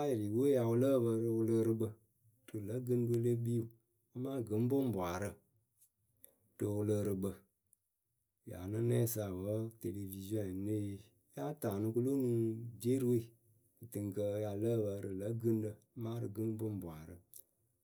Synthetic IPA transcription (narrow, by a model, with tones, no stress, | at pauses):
a˦jɾi˨wo˦ja˨wu˧lə˦˨bə˧ɾɨ˧lə˧ɾɨ˧bə˧ | ɾɨ˨lə˨˦ɡɨ˦n˦də˧˦lə˦bi˦u˨ | o˦mãː˦ɡɨ˨˦m˦bʊ˦m˦bʷa˨ɾɨ˧ | tɨ˧wu˧lə˧ɾɨ˧bə˧˨ | ja̰˨nɨ˦nɛ˦˨sa˨wə˨˦te˨le˨vi˨zi˦ɔ̃˦˨˦ne˦˨˦ | ja˦taː˨nɨ˧ku˦lo˦nũ˦de˦ɾɨ˦we˦˨ | tɨ˨ŋ˨kə˧ja˧lə˦˨bə˧ɾɨ˨lə˦ɡɨ˦n˦də˧˦ma˦ɾɨ˨ɡɨ˦n˦bʊ˦m˦bʷa˨ɾɨ˨